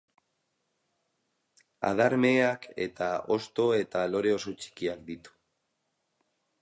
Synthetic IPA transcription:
a̰ð̞aɾme̞ake̞̰t̪ao̞̰st̪o̞e̞t̪alo̞ɾe̞o̞sot͡ʃi̥kiakd̪it̪u̥

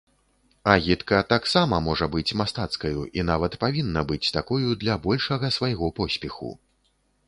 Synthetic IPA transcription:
ɐɣʲit̪kɐt̪aksamɐmɔʐɐbɨt͡sʲmast̪at̪skɐjuʔinavɐt̪pavʲinːɐbɨt͡sʲt̪akɔjud̪lʲɐbɔlʲʂɐɣɐsvajɣɔpɔsʲpʲɛxṵ

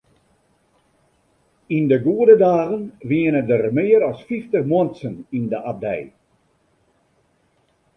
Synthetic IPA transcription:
indəɡuədədaːɣənʋiənədərmɪəɾɔsfiftəxmɔənsənindəʔab̚dɛ̰j

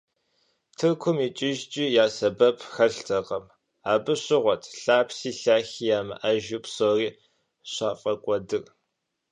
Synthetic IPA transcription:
tʰɨrkʷʰʊmiːt͡ʃʼɪʒt͡ʃʼijaːsɐbɐpʰxɐɬtʰɐqʼɐm | aːbɨɕɪʁʷɔtʰɬaːpʰsiːɬaːxiːjaːmɨ̰ʔɐʒupsoːriː | ɕaːfʼɐkʷʼɔdɨr

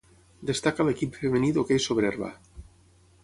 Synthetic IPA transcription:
d̪est̪akalekipfemeniðokejsoβɾerβa̰

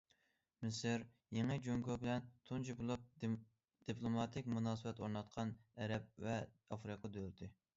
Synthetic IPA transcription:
mɪsɨɾ | jeŋɨd͡ʒoŋɡobɪlɛnt̪ʰunt͡ʃʰibulˠup̚ | d̪̥iplˠomɑt̪ʰɪkʲmunɑːsɨbɛt̪oɾnɑt̪̚qʰɑnɛɾɛp̚vɛ | ɑfɾɨqʰɑd̪øɾt̪ʰɪ

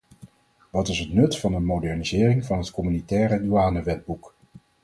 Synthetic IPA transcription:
ʋɑtɪsɦətnɵtfɑnənmodɛɹnizɪːrɪŋvɑnɦətkɔmynitɛːrədyaːnəʋɛd̚buk

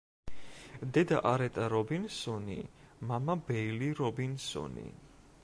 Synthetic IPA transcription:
d̪ɛd̪aʔaɾɛt̪ʼaɾɔbinsɔnḭmamabɛiliɾɔbinsɔ̰nḭ

